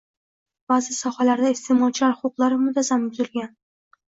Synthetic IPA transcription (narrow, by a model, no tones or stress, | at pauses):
b̥azɪsɒhalaɾd̪aɪst̪ʰemɒt͡ʃʰɪlaɾχoqlˠaɾɪmʊt̪ʰazamɪlɡʲan